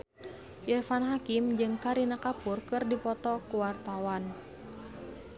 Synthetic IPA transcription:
ʔirfanɦakimd͡ʒɨŋkaɾinakapurkɨrdipɔt̪ɔkuwart̪awan

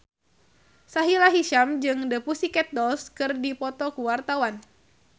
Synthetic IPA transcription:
saɦilaɦiʃamd͡ʒɨŋdəpusikɛt̪̚dɔlskɨrdipɔt̪ɔkuwart̪awan

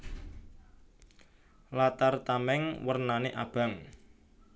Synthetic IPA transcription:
lat̪art̪amɛŋwərnaneʔa̰b̥a̤ŋ

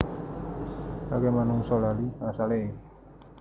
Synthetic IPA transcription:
baɡamanuŋsɔlaliasale

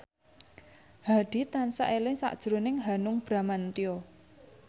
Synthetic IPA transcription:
hadɖ̥i̤t̪ansa̰ʔelɪŋsa̰ʔd̥ʒ̥ɾonɪŋɦanʊŋb̥ɾamant̪io

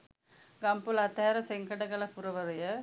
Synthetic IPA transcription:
ɡɐmpɯlɐt̪ːɐːɾɐsɛŋɡɐɽɐkɐɭɐpʊɾɐʋɐɾɐjɐ

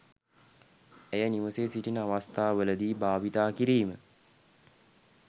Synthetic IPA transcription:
ejəniʋəseːsiʈinəaʋast̪aːʋələd̪iːbaːʋit̪aːkiɾiːmə

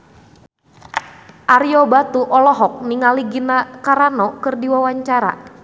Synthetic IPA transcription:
ʔaɾijɔbat̪uʔɔlɔɦɔk̚niŋaliɡinakaɾanɔkərdiwawaɲt͡ʃaɾa̰

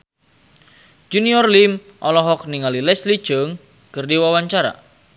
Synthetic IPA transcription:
d͡ʒuniɔrlim | ʔɔlɔɦɔk̚niŋalilɛsli̥ʒ̥əŋ | kɨrdiwawaɲt͡ʃaɾa̰

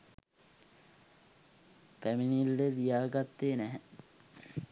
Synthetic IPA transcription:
pæminilːeɾijaːɡat̪ːeːnæɦɛ

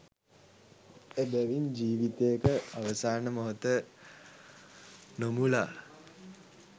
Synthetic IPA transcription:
ebæʋiɲd͡ʒiːʋit̪ejekəaʋəsaːnəmoɦot̪ə | nomulaː

